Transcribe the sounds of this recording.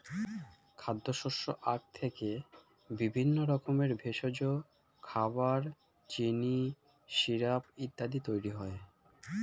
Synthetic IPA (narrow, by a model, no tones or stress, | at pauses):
kʰad̪ʱːoʃoʃoʔak̚t̪ʰeke | bibʱinːoɾɔkomeɾbʱeʃod͡ʑo | kʰabaɾ | t͡ɕini | ʃiɾapit̪ːad̪it̪ojɾiɦɔe